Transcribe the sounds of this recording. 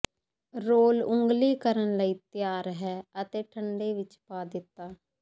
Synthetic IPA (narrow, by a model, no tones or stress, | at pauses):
ɾoːlʊŋɡliːkəɾənləiːt̪ɪjaːɾɦɛːət̪eːʈʰəɳɖeːʋɪt͡ʃpaːd̪ɪt̪ːaː